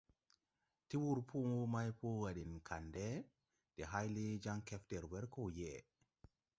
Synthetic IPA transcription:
tiwuɾpʰumɔmajpɔwaɗɛnkʰandɛ | d̥ɛɦajled͡ʒaŋkɛftɛɾwɛɾkɔjɛ

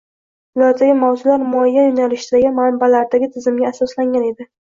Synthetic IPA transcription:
ʊlat̪ʰːaɡʲɪmawzʊlaɾmʊajːajʊnalɪʃd̪aɡʲɪmanbalaɾd̪aɡʲɪt̪ʰɪzɪmɡʲaːsɒslaŋɡʲane̞d̪ɪ

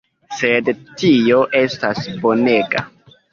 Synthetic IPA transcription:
se̞dtio̞ʔe̞stasbo̞ne̞ɡa̰

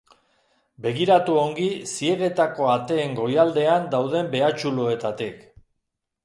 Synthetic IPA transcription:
be̞ɣiɾat̪uo̞ŋɡisie̞ɣe̞t̪ako̞at̪e̞ːŋɡo̞jald̪e̞and̪awðe̞mbe̞at͡ʃuloe̞t̪at̪ik

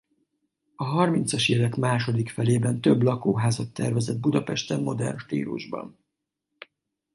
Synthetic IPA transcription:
ɒɦɒrmint̪sɒʃjɛlɛkmaːʃo̞d̪ikfɛleːbɛnt̪øblɒkoːɦaːzɒt̪ːɛrvɛzɛd̪̚bud̪ɒpɛʃt̪ɛmmo̞d̪ɛ̰rnʃt̪ḭːlṵʒbɒ̰n

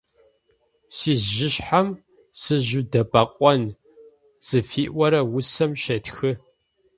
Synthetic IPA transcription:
siːzʒɪɕħam | sɨʑʊdɐbɐqʷʼɔn | z̥ɨfiːʔʷɔɾɐwʊsɐmʃɐtxɨ

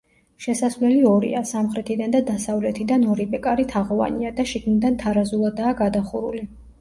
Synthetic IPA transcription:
ʃɛsasvlɛliɔɾḭasamχɾɛt̪ʰid̪and̪ad̪asavlɛt̪ʰid̪anɔɾibɛkʼaɾit̪ʰaʁɔva̰niad̪aʃiɡnid̪ant̪ʰaɾazulˠad̪aːɡad̪aχuɾuli

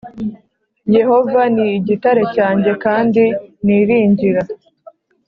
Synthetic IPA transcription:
je̞ho̞vaniːɟitaɾe̞caːɲɟe̞kaːndiniɾiːɲɟiɾa

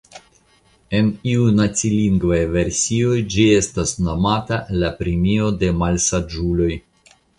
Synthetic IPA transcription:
e̞niunat̪siliŋɡvajve̞ɾsio̞jd͡ʒie̞stasno̞matalapɾimio̞de̞malsad͡ʒulo̞j

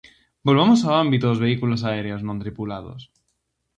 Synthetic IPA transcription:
bolβ̞emosaambit̪oðozβe̞ikulosaeɾeoznõnt̪ɾipulað̞o̰s

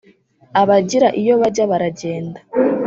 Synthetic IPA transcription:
aβaɟiɾaʔijo̞βaɟaβaɾaɟe̞ːnda

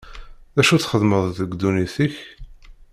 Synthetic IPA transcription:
ðæʃuθχəðməðˤðəɡd̪uniθiç

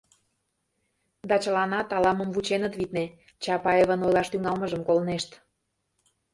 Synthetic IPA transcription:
d̪ɑt͡ɕəlɑnɑt̪ɑlɑməmvut͡ɕenət̪βit̪ne | t͡ɕɑpɑeβənojlɑʃt̪yŋɑlməʒəmkolneʃt̪

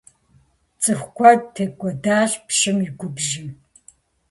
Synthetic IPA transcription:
t͡sʼɨxʷkʷʰɔrtʰeːkʷʼɔdaːɕpʃɪmiɡʷʊbʒɪ

